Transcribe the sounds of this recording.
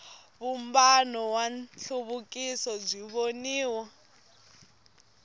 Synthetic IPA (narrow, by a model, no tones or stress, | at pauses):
βumbanɔwanɬʰuβukʼisɔb͡ʐiβoniːwa